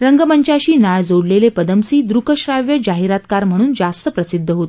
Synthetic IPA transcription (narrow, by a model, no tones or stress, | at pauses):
ɾəŋɡəməɲt͡ɕaɕiːnaɭd͡zoɽlelepəd̪əmsiːd̪ɾukəɕɾaʋjəd͡ʑaɦiɾat̪kaɾm̤əɽ̃uːnd͡zast̪əpɾəsid̪ʱːəɦot̪